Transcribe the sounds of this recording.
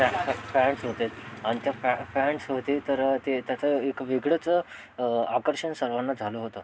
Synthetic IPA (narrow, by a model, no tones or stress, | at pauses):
fɛɳɖsɦot̪et̪aɽ̃it̪jaffɛɳɖsɦot̪it̪əɾt̪et̪jat͡səekʋiɡɽət͡sə | akəɾɕənsəɾʋãnːad͡zʱaloɦot̪o